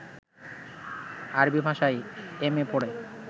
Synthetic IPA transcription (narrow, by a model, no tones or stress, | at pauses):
aɾbibʱaʃajemepoɽe